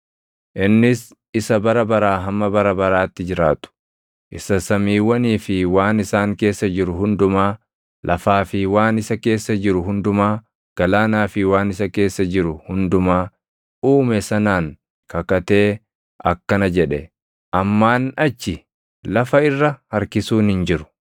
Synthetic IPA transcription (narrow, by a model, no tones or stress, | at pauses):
ʔɪnːɪs | ɪsɐbɐɾɐbɐɾaːɦɐmːɐbɐɾɐbɐɾaːt̪ːɪd͡ʒɪɾaːt̪ʊ̥ | ʔɪsɐsɐmiːwːɐniːfɪwaːnɪsaːŋke̞ːsːɐd͡ʒɪɾʊɦʊnd̪ʊmaː | lʔɐfaːfɪwaːnɪsɐke̞ːsːɐd͡ʒɪɾʊɦʊnd̪ʊmaː | ɡ̥ɐlaːnaːfɪwaːnɪsɐke̞ːsːɐd͡ʒɪɾʊhʊnd̪ʊmaː | uːmɛsɐnaːŋ | kɐkɐt̪e̞ː | ʔɐ̰kːɐnɐd͡ʒɛᶑɛ | ʔɐmːaːnɐt͡ʃːɪ | lɐfɐɪrːɐhɐɾkɪsuːnhɪnd͡ʒɪɾʊ̥